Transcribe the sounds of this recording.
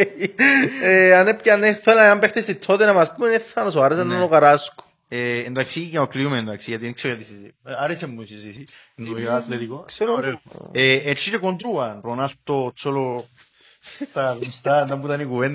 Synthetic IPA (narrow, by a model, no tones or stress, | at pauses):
eanepcaneθolanampext̪est̪it̪ʰːot̪enɐmaspumeneθːɐnɐsoaɾes̬ɐnːonokɐɾasko̥ | eːnd̪aksikenokliumend̪aksijɐt̪inksekɐt̪isizaɾesemːusizisi | nːojat̪leðikokseoɾeeet͡ʃːiɾekond̪ɾuɐnpɾonalt̪ot͡sːolo | t̪aɣumst̪and̪ɐmbut̪ɐnikuvend̪